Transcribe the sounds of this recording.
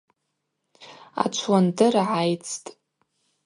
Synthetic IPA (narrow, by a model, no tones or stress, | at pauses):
a̰t͡ʃʷʰwandɨrʕajt͡sʰtʼ